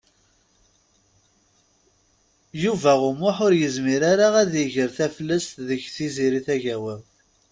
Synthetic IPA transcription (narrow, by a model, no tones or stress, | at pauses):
juvæʁʊmʊħʊɾjəzmiɾaɾaʁæðjəʝəɾθæfəlːəst̪ðəçθiziɾiθæʝæwəm